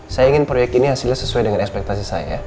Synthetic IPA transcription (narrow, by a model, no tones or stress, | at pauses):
sajaiŋɪnpɾojɛk̚t̪iniɦasilasəsuajdəŋanɛkspɛk̚t̪as̬isaja̰